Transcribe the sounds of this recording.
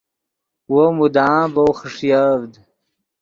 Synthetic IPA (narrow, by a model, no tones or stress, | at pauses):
womud̪aːbowχəʂjavd̪